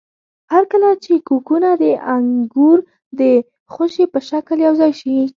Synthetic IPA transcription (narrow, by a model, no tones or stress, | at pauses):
haɾkəlat͡ʃekukunad̪əʔaŋɡuɾ | d̪ə | xʊʃepəʃakljawzɑjʃi